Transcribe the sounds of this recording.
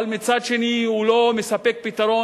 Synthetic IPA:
lmɪt͡sat͡ʃiniulomɪsɐpek̚pit̪ɐɾo

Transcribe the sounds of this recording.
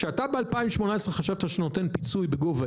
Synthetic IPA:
ʃeat̪abealpaimwʃmo̞naesʁeχaʃavt̪aʃenote̞npit͡sujbeɡova

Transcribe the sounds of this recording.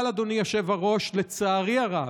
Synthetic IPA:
lad̪onijaʃevaʁo̞ʃlet͡saːʁiaʁa

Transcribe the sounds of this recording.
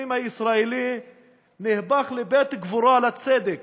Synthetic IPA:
imhaisɾaeli | nihbaχlebet̪ɡvuɾoalat͡sed̪ek

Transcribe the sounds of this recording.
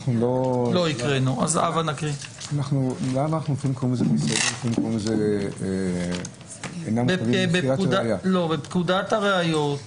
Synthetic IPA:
χnulolo̞ikʁenua̰za̰vvanakʁianaχnulamanaχnunofimkumzebisedimofimkumezee | enambevibeakuadajalo̞bepkud̪at̪haʁeajo̞t̪

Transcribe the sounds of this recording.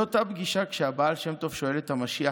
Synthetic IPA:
ot̪abɡiʃakʃeabaːlʃemt̪ofʃo̞e̞let̪hamaʃia

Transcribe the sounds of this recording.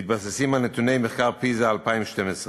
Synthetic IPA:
tbas̬əsiːmanət̪uneɪmɪχkaʁpiːzəalˠpaɪmʃtɛməs

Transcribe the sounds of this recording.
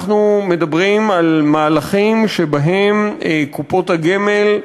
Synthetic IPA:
χnume̞d̪abʁimalmaːlaχimʃebaɦemkupo̞thaɡeme̞l

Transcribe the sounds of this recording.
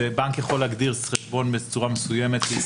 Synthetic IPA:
ebaŋkjaχo̞laɡd̪iʁχeʃbo̞nbet͡suʁamesuje̞me̞t̪leis

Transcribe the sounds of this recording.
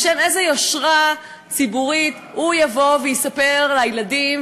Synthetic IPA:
ʃenezejoʃʁa | t͡sibuʁit̪ | hujavo̞vejisape̞ʁlajladim

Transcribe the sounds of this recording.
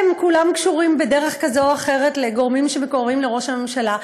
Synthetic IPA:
mkulamkʃuʁimbedeʁeχkazooaχe̞ʁetleɡo̞ʁmimʃemekoʁvimle̞ʁo̞ʃhame̞mʃala

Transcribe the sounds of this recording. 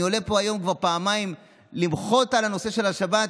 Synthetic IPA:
io̞lepo̞ajo̞mkvaʁpaːmaim | limχo̞talano̞seʃe̞laʃabat

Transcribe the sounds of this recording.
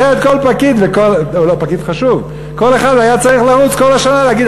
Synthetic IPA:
eet̪ko̞lpakid̪vekolulopakid̪χaʃuv | ko̞le̞χad̪ajat͡saʁiχlaʁut͡sko̞laʃanaleaɡid̪

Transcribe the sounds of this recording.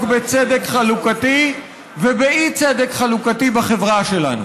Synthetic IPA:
kbet͡sed̪ekχalukati | vebeit͡sed̪ekχalukatibaχevʁaʃela̰nu

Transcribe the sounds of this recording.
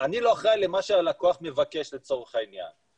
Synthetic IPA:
aniloaχʁajle̞maʃealakoaχme̞vake̞ʃle̞t͡so̞ʁeχainja̰n

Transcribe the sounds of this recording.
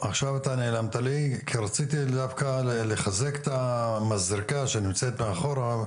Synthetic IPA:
aχʃavat̪ane̞ːlamt̪alikʰiɾat͡sit̪id̪avkaleχazeke̥t̪amazɾikaʃenimt͡set̪meaχo̞ɾa

